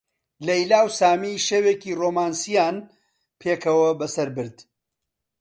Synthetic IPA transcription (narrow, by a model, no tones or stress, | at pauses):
lɐjlaːwsaːmiːʃeweːkiːroːmaːnsijaːn | pʰeːkʰɐwɐbɐsɐɾbɨɾd̪̥